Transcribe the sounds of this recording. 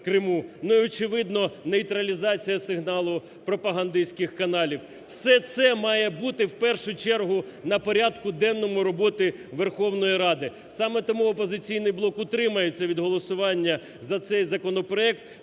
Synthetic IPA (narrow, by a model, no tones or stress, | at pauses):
kɾɪmunʊiɔt͡ʃɪʋɪd̪nɔnejt̪ɾɐlʲizɑt͡sʲijɐsɪɦnɑlˠʊ | pɾɔpɐɦɐnd̪ɪsʲkɪxkɐnɑlʲiw | wsɛt̪sɛmɑjɛbut̪ɪwpɛrʃʊt͡ʃɛrɦʊ | nɐpɔɾʲɑd̪kʊd̪ɛnːɔmʊɾɔbɔt̪ɪʋerxɔwnɔjiɾɑd̪ɪ | sɑmɛt̪ɔmuɔpɔzɪt͡sʲijnɪjblˠɔkʊt̪ɾɪmɐjet͡sʲːɐʋʲid̪ɦɔlˠɔsʊʋɑnʲːɐ | zɐt̪sɛjzɐkɔnɔpɾɔɛkt̪